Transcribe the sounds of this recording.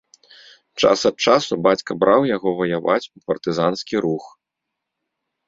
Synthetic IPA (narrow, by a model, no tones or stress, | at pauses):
t͡ʂa̰sɐt̪̚t͡ʂasubat͡sʲkɐbɾʔawjaɣɔvɐjava̰t͡sʲupɐrt̪ɨzanskʲiɾux